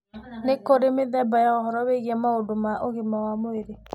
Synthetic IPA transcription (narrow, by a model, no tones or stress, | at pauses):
nekoɾemeðɛbajaɔɦɔɾɔβeɣiɛmaodomaʔoɣemawamoeɾe